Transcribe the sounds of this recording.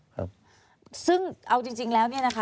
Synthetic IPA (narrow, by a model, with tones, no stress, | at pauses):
kʰa̰˦p̚ | sɯ˥˩ŋʔa˧wt͡ɕi˧ŋt͡ɕi˧ŋlɛː˦˥wni˥˩ɐna˦˥kʰa˦˥